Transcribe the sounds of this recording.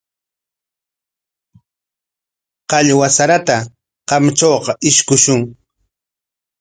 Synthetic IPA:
qɑʎwasaɾat̪a | qɑmt͡ʃoːqɑʔɪʃkʊʃʊŋ

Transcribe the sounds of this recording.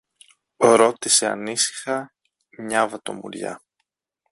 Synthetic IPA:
ɾo̞t̪ise̞ɐ̰nisi̥xɐ | mɲɐvɐt̪o̞̰mṵɾʝɐ̰

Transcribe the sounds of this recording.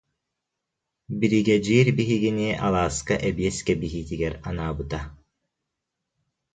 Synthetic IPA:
biɾiɡɛd͡ʒiːɾbiɦiɡiniʔalˠaːskaʔɛbiɛskɛbiɦiːt̪iɡɛɾanaːbɯt̪a

